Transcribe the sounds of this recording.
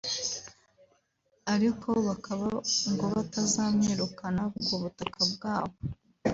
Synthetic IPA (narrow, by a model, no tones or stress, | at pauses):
aɾikʰo̞βakaβaŋɡoβatazaːmɲeːɾukanaβuɡuβutakab̚ɡaːβo